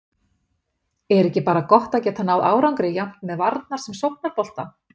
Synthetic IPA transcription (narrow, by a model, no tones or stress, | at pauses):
ɛɾɛhcɪpaːɾakɔht̪aðcɛːt̪anaːwðaːwɾawŋkɾɪjam̥t̪mɛðvaɾt̪̚naɾ̥sɛmsowp̚naɾ̥pɔl̥t̪a̰